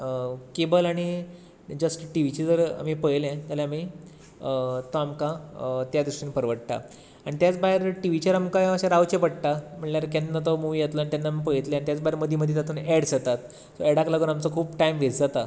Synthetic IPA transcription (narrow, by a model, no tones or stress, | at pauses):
əkebəlaɽ̃i | d͡zəsʈʈiʋit͡ɕid͡zəɾa̰mipəjlɛ̃t̪alaami | t̪ɔamkãt̪jad̪ɾiʂʈinpəɾʋəɽt̪a̰ | aɽ̃it̪jat͡sbaɦeɾʈiʋit͡ɕəɾamkajəɕaɾaʋwt͡ɕepəɽʈ̪am̤əɳlaɾkɛ̃nːat̪ɔmuʋijet̪ləanit̪janːamipəjt̪lẽanit̪jat͡sbaɦeɾməd̪ʱːiməd̪ʱjet̪at̪uːnɛɽsət̪at̪ | sɔeɽaklaɡuːnamt͡səkʰuːpʈaimʋet͡sd͡zat̪a